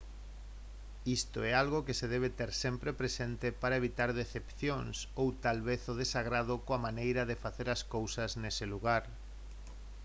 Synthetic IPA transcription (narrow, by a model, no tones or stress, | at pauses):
ist̪oɛalɣokeseðɛβ̞et̪ɛɾsempɾepɾesent̪epaɾɐeβ̞it̪aɾðeθepθjoŋsowt̪alβeθoð̞esaɣɾað̞ʊkoamanejɾɐðefaθeɾɐskowsɐznesɪluɣaɾ